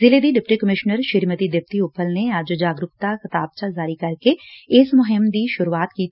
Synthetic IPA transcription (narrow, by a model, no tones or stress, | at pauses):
zɪled̪iɖɪp̚ʈikəmɪʃnəɾʃɪɾmət̪id̪ɪp̚t̪iʊpʰːəlneaːd͡ʒod͡ʒaːɡɾʊɣt̪axɪt̪aːb̚t͡ʃazaːɾikɐɾkeɪsmʊɦɪmd̪iʃʊɾuaːt̪kiː